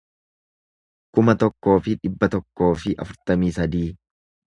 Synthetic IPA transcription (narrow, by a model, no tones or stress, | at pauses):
kʊmɐt̪ɔkːo̞ːfɪᶑɪbːɐt̪ɔkːo̞ːfɪʔɐ̰fʊɾt̪ɐmiːsɐd̪iː